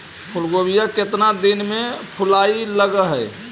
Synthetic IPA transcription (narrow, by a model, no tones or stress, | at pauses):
pʰulɡobijaket̪nad̪inmepʰʊlailəɡəɦɛj